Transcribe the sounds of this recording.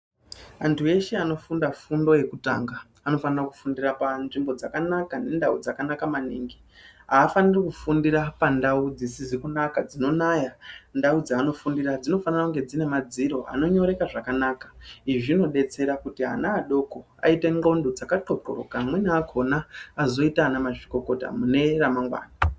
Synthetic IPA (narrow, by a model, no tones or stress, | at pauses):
antʰue̞ʃe̞ano̞fundafundo̞je̞kuta̰ːŋɡaː | no̞fanaraku̥fundirapanʐimbo̞d͡zakanakane̞ndaud͡zakanakamanḭːŋɡi | ɦaːfanirikufundirapandaud͡zisizikunakad͡zino̞najandaud͡zaːno̞fundirad͡zino̞fanarakuŋɡe̞d͡zine̞mad͡ziɾo̞a̰no̞ɲo̞ɾe̞kaʐakanaːkḁiʐino̞ɗe̞t͡se̞ɾakutiɦa̰naːɗo̞ko̞ | a̰ite̞ŋɡo̞ndod͡zakaǃo̞po̰ro̰kaːmwe̞naakʰo̞naːzo̞itanamaʐiko̞ko̞ta̰mune̞ramaŋɡwa̰ːna